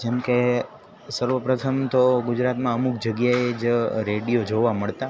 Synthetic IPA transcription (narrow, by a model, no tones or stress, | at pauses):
d͡ʒemke | səɾʋəpɾət̪ʰəmt̪oɡʊd͡ʒɾat̪mãəmuk̚d͡ʒəɡjaed͡ʒɾeɽijod͡ʒoʋaməɭt̪a